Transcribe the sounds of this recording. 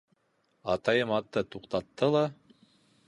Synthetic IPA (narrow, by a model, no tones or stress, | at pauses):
ɑt̪ɑjɤmɑt̪ːɤt̪uqt̪ɑt̪ːɤlˠɑ